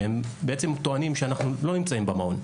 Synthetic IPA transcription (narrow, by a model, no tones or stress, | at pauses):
embeet͡se̞mt̪oanimʃeanaχnulo̞nimt͡saimbamao̞n